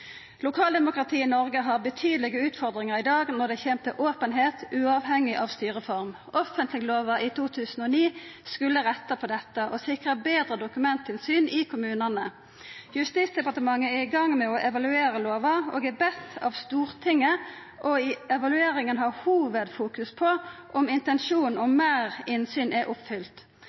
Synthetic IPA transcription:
lʊkʰɑːld̪ɛmʊkʁɑt̪ʰiːnɔʁɡəɦɑːʁbət̪ʰyːd̪lɪɡəʉːt̪fɔʁd̪ʁɪŋəʁɪd̪ɑːɡnɔʁd̪ɛçeːmt̪əʔoːpənɦeːt̪ʉːɑʋɦɛŋɪʔɑʋst̪yːʁəfɔʁm | ʔɔfənt̪ʰlɪɡəloːʋəiːt̪ʰuːt̪ʰʉːsn̩ɔːniːskʉlːəʁɛt̪ːəpʰɔd̪ɛt̪ːəʔɔsɪkʁəbeːd̪ʁəd̪ʊkʉmɛnt̪ʰɪnsyːnʔɪkʰʊmʉːnənə | jʉst̪iːt̪sd̪ɛpɑʁt̪əmɑŋːəɛɪɡɑŋːmɛɔʔɛʋɑlʉeːɾəloːʋɑo̰ːɡɛbɛst̪ɑ̰ʋst̪uːʁt̪ʰɪŋːə | ʔɔɪɛʋɑlʉeːɾɪŋənɦɑhuːʋəd̪fuːkʉspʰɔʔɔmɪnt̪ɛnʃuːnɔmeːʁɪnsyːnʔɛʔʊpfʏlt̪

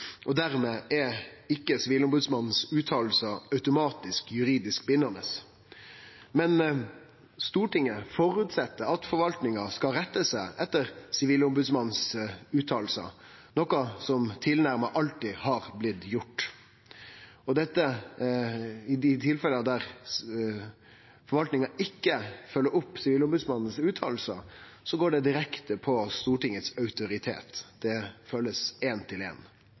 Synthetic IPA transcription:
ʔɔd̪æɾmeːʔɛɪkːəsɪʋiːlʊmbʉd̪smɑnn̩sʉːt̪ʰɑːlsəɑʉt̪ʊmɑːt̪ɪskjʉɾiːd̪ɪskbɪnːənəs | mɛn | st̪uːʈɪŋːəfɔɾʉːt̪sɛt̪ːəɑt̪fɔɾʋɑlt̪nɪŋɑskɑɾɛt̪ːəsæɪʔɛt̪ːəɾsɪʋiːlʊmbʉd̪smɑnn̩sʉːt̪ʰɑːlsə̰ | nɔkɑsɔmt̪ʰɪlnæɾmɑʔɑlt̪ɪhɑːɾblɪt̪ːjʊʈː | ɔd̪ɛt̪ːə | ɪɪt̪ʰɪlfɛlːəɑd̪æɾ | fɔɾʋɑlt̪nɪŋɑɪkːəfœlːəɾʊpːsɪʋiːlʊmbʉd̪smɑnːsʉːt̪ʰɑ̰ːlsə̰ | sɔɡoːɖɛd̪ɪɾɛkt̪əpʰɔst̪uːʈɪŋət̪sœʉt̪ʊɾɪt̪ʰḛːt̪d̪̥ɛføːləseːnt̪ʰɪlḛːn

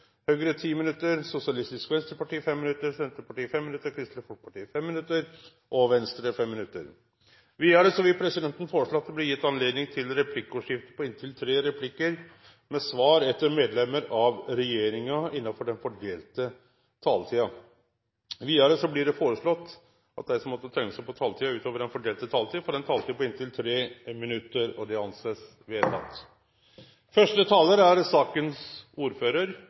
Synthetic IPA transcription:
høːɡəɾət̪ʰiːmɪnʉt̪ːəɾsʊsɪɑlɪst̪ɪskʋɛnst̪ɾpɑʈiːfɛmːɪnʉt̪ːəɾsɛnt̪əpɑʈiːfɛmːɪnʉt̪ːəɾkʰɾɪst̪ɾəfɔpʰɑʈiːfɛmːɪnʉt̪ːəɾ | ʔɔʋɛnst̪ɾəfɛmːɪnʉt̪ːə̰ɾ | ʋiːəɾəsɔʋɪpʰɾɛsɪd̪ɛnt̪ənfoːɾəʂɭoːɑt̪d̪ɛblɪɾjɪt̪ːɑnleːd̪nɪŋt̪ʰɪlɾɛpʰlɪkːəuːʂɪft̪əpʰɔɪnt̪ʰɪlt̪ʰɾeːɾɛpʰlɪkːəɾ | mɛsʋɑːɾɛt̪ːəɾmeːd̪lɛmːəɾɑʋɾɛjeːɾɪŋɑɪnːɑfɔɖɛnfɔɖeːlt̪ə | t̪ʰɑːlt̪ʰiːɑ | ʋiːəɾəsɔblɪɖɛfoːɾəʂɭɔt̪ː | ʔɑt̪̚d̪æɪsɔmːɔt̪ːət̪ʰɛŋːəsæpɔt̪ʰɑːlt̪ʰiːɑʉːt̪oːʋəɖɛnfɔɖeːlt̪ət̪ʰɑːlt̪iːɑfɔɖɛnt̪ʰɑːlt̪ipɔɪnt̪ʰɪlt̪ʰɾeːmɪnʉt̪ːəɾɔd̪ɛɑnseːs | ʋɛt̪ʰɑ̰t̪ː | fœʂʈət̪ʰɑːləɾæɾsɑːkənsuːɾføːɾəɾ

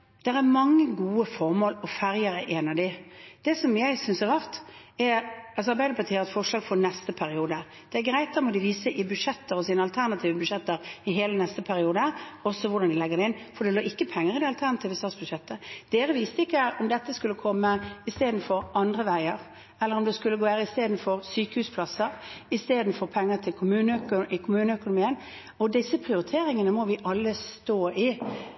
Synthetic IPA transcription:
d̪̥ɛɾæmɑŋːəɡuːəfɔɾmoːlɔfæɾjəɾəʔɛnɑd̪ɪd̪̥ɛsɔmjæɪsʏnsɛɾʁɑʁt̪ | ɛɾɑlsɔɑɾbæɪd̪əpʰɑʁt̪ʰiːəʁɛt̪fɔʂlɑːɡfɔnɛst̪əpʰæɾɪuːd̪ə | d̪̥ɛæɾɡɾæɪt̪d̪ɛmɔd̪ɪʋiːsəʔɪbʉʂɛt̪ːəɾɔsiːnəɑlt̪ʰæʁnɑt̪ʰiːʋəbʉʂɛt̪ːəɾɪɦeːlənɛst̪əpʰæɾɪuːd̪əɔsːɔʋʊɾd̪ɑnd̪ɪlɛɡːəɾd̪ɛɪnːfɔd̪ɛloːɪkːəpʰɛŋːəɾɪd̪ɛɑlt̪ʰæɾnɑt̪iːʋəst̪ɑːt̪sbʉʂɛt̪ːəd̪̥eːɾəʋɪːst̪əɪkːəʔɔmd̪ɛt̪ːəskʉlːəkʰɔmːəɪst̪eːd̪n̩fɔɾʔɑnd̪ɾəʋæɪəɾ | ɛlːəɾɔmd̪ɛskʉlːəɡoːʋeːʁəɪst̪eːd̪n̩fɔʁsyːkəhʉːspʰlɑsəɾɪst̪eːd̪n̩fɔʁpʰɛŋːət̪ʰɪlkʰʊmʉːnəkɪkʰʊmʉːnəœkʊnʊmiːən | ɔd̪ɪsːəpʰʁɪʊɾɪt̪ʰeːɾɪŋənəmɔʋɪʔɑlːəst̪oːɪ

